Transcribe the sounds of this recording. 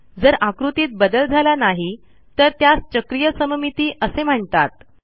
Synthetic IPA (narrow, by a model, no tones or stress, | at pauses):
d͡zəɾakɾut̪iːt̪̚bəd̪əld͡zʱalanaɦi | t̪əɾt̪jast͡ɕəkɾijəsəməmit̪iːʔəsem̤əɳt̪at̪̚